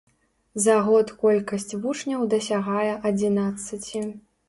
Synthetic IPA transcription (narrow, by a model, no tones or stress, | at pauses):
zɐɣɔt̪kɔlʲkɐsʲt͡sʲvut͡ʂnʲɐwd̪ɐsʲaɣajɛʔɐd͡zʲinat̪sːɨt͡sʲi